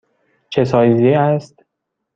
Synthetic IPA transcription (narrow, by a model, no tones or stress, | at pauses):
t͡ʃʰesɒːjzieæst̪